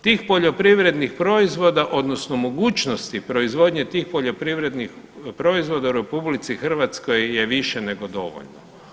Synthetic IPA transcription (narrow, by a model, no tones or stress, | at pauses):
t̪iːxpo̞ʎo̞pɾiʋɾe̞d̪nixpɾo̞izʋo̞d̪aʔo̞d̪nosnomoɡuːt͡ʃnost̪ipɾo̞izʋo̞d̪ɲet̪iːxpo̞ʎo̞pɾiʋɾe̞d̪nix | pɾo̞izʋo̞d̪auɾe̞publit̪sixr̩ʋat̪skojːeʋiʃene̞ɡo̞d̪o̞̰ʋo̰ʎno̰